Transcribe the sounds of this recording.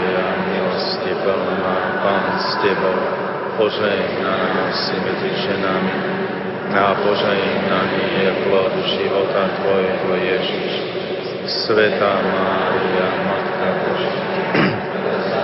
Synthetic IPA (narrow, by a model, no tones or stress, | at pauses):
jamilɔscɛpɛln | apaːnscɛbɔʊ | pɔʒɛjɛɦnanasimɛd͡ziʒɛnami | apɔʒɛjɛɦnanijɛplɔd̪ʒiʋɔt̪at̪ʋɔjɛɦɔjɛʒiʃ | sʋɛt̪aːmaːɾiamat̪kabɔʒ